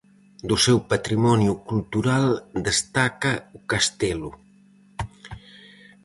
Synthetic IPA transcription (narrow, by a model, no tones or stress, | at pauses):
d̪usɛwpət̪ɾimɔnjukulˠt̪uɾalˠd̪əst̪akəukast̪ɛlu